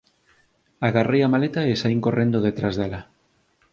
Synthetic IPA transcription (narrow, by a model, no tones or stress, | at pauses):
aɣarejamalet̪aesaiŋkorend̪oð̞et̪ɾazðela